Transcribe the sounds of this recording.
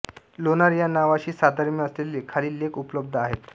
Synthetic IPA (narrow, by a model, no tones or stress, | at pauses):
lonaɾjanaʋaɕiːsad̪ʱaɾmjəəslelːekʰaliːlekupləb̚d̪ʱəaɦet̪